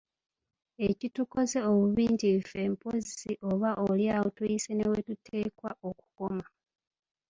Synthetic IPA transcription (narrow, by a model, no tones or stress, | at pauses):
e̞cituko̞ze̞oβuβiːntife̞ːmpo̞ziiʔo̞βaʔoljawotujisene̞we̞tutʰe̞ːkwaʔo̞ku̥ko̞ma